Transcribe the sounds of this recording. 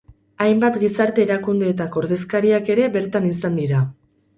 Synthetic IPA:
ajmbat̪ɡisaɾt̪e̞ːɾakund̪e̞ːt̪ako̞ɾðe̞skaɾiake̞ɾe̞be̞ɾt̪anisand̪iɾa

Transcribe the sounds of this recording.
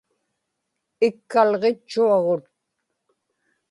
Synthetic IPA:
ɪkːalʁet͡ʃːuɑʁot̪̚

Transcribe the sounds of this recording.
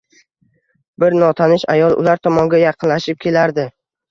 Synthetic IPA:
bɪɾnɒt̪ʰanɪʃajɒlˠʊ̰laɾt̪ʰɒmɒŋɡʲajɑqʰɨnlaʃɪp̚kʲʰe̞laɾd̪ɪ

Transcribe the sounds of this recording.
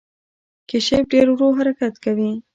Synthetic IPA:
keʃep̚ɖeɾwɾoɦaɾakat̪kawi

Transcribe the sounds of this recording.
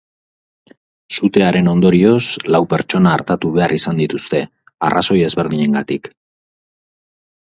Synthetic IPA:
sut̪e̞aɾe̞no̞nd̪o̞ɾio̞slawpe̞ɾt͡ʃo̞naːɾt̪at̪uβ̞e̞arisand̪it̪ust̪e̞ | a̰raso̞je̞zβe̞ɾðiɲe̞ŋɡat̪ik

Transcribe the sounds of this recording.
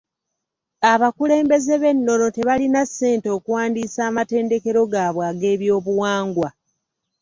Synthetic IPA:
aβakule̞ːmbe̞ze̞βe̞nːo̞no̞te̞βalinasːe̞ːnto̞ːkuwaːndisaːmate̞ːnde̞ke̞ɾo̞ɡaːβwaːɡe̞ːβjo̞ːβuwaːŋɡwa

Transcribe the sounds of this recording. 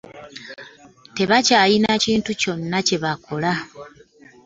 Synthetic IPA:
te̞βacaːjinaciːntuco̞nːace̞βako̞la

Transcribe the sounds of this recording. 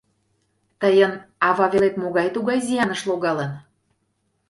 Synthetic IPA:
t̪əjənɑvɑβelet̪moɣɑjt̪uɣɑjzijɑnəʃloɣɑlən

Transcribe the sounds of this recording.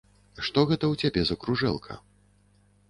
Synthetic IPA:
ʂt̪ɔɣɛt̪ɐwt͡sʲabʲɛzɐkɾuʐɛ̰lˠkʰɐ̰

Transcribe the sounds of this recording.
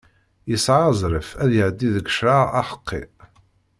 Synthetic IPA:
jəsʕazˤɾəfæðjəʕd̪ːiðəɡəʃɾaɑħə̥qʰːḭ

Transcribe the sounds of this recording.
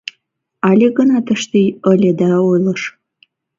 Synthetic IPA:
ɑlʲeɣənɑt̪əʃt̪ijəlʲed̪æojlˠɤʃ

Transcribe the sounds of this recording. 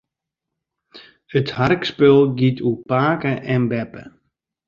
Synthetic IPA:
ətharkspølˠɡitʰupaːkəʔɛnbɛpə̰

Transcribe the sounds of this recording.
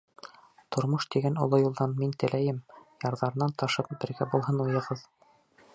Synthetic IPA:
t̪ʰŏɾmoʃt̪iɡænŏ̰lˠɤjulˠd̪ɑnmint̪ɘ̆læjɘmjɑɾðɑɾɤ̆nɑnt̪ɑʃɤp̚bɘ̆ɾɡæbulˠɦɤnujɤ̆ʁɤð

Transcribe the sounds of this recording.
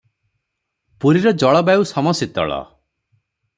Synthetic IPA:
puɾiɾɔd͡ʒɔɭɔbausɔmɔsit̪ɔ̰ɭɔ̰

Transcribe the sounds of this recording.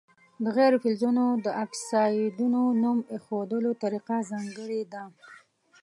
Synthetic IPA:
d̪əɣeɾofɪlzunod̪əʔaksɑjd̪unonumexod̪əlot̪aɾiqazɑŋɡəɽed̪a

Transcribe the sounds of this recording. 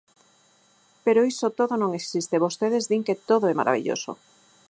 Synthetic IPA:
peɾoisot̪oðonõŋeksist̪eβost̪eð̞ezðiŋket̪oðoɛma̰ɾa̰βḭʎo̰so̰

